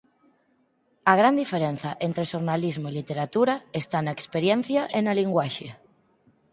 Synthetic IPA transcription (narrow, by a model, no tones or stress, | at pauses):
aɣ̞ɾand̪ifeɾen̟θaʔent̪ɾeʃoɾnalizmoilit̪eɾat̪uɾaest̪anaekspeɾjen̟θjaʔenaliŋɡwaʃe